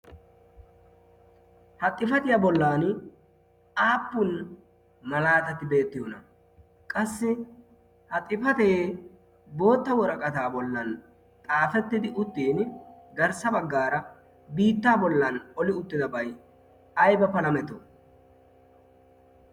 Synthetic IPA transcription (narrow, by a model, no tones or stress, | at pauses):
hɐt̪ʼːɪfɐt̪ɪjɐbɔlːaːn | aːpːʊn | mɐlaːt̪ɐt̪ːɪbe̞ːt̪ːɪjonɐ | kʼɐsːɪ | hɐt̪ʼːɪfɐt̪e | bo̞ːt̪ːɐwɔɾɐkʼɐt̪aːbɔlːɐn | t̪ʼaːfɛt̪ːɪd̪ɪʔʊt̪ːiːnɡɐɾsɐbɐɡːaːɾɐ | biːt̪ːaːbɔlːɐnɔlɪʊt̪ːɪd̪ɐbɐj | ɐjbɐpɐlɐmɛt̪ːɔ